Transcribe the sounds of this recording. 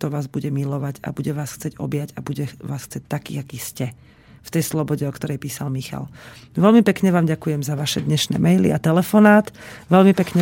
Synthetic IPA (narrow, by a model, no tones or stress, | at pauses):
t̪ɔʋaːzbuɟɛmilɔʋaɟa̰buɟɛʋaːsxt͡sɛɟɔ̰bɪjaɟabuɟɛʋa̰ːsxt͡sɛc̚t̪akḭːaɡiscɛ | ft̪ɛjslɔbɔɟɛɔkt̪ɔɾɛjpiːsalmixa̰l | ʋɛlmipɛkɲɛʋaːmɟakujɛmzaʋaʃɛd̪ɲɛʃnɛ̰ːmɛjlḭat̪ɛlɛfɔnaːt̪ʋɛʎmipɛkɲɛ